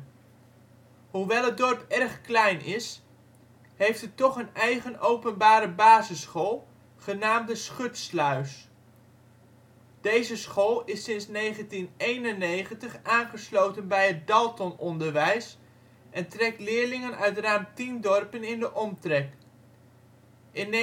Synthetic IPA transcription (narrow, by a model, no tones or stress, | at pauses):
ɦuʋɛlˠəd̚dɔɹpɛrχklɛjnɪs | ɦejftətɔχənɛjχənowpənbaːɾəbaːzəsχolˠ | χənaːmdəsχɵtslœɥs | d̥ejzəsχoːlˠɪsɪnsnejχəntinejnənejχəntəχaːnχəslowtənbɛjɦət̚dɑlˠtɔnɔndəɹʋɛjs | ʔɛntrɛk̚tlɪːɹlɪŋənœɥtraːmtindɔɹpənɪndəʔɔmtrɛk | ʔɪn